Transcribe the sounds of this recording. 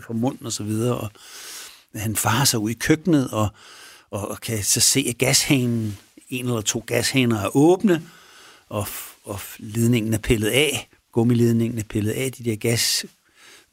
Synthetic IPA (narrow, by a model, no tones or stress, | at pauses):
fɒmɔ̽n̰n̩ɒ̽sɒ̽ʋið̞ˠɐːʔɒ̽ | hænfɑ̈ːɐsɑ̈ɪuð̰ˠikʰøɡ̥nəð̩ˠɒ̽ | ɒ̽kʰæsɒ̽se̝̰ːæɡ̥æshenn̩e̝nelɐt͡sʰo̝̰ːɡ̥æshenɐæɐʔɔ̽ːb̥nə | ʔɒ̽ɒ̽le̝ð̞ˠne̝ŋn̩æɐpʰelð̩ˠɛ | ɡ̥ɔ̽məle̝ːð̞ˠne̝ŋn̩æɐpʰe̝lð̞̩ˠɛ̰d̥id̥eɐ̰ɡ̥æs